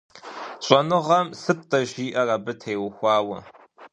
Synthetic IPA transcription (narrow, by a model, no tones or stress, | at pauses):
ɕʷʼɐnɨʁɐmsɨp̚tʼɐʒiːʔɐrɐbɨtʰejwʊxʷɑːwɐ̰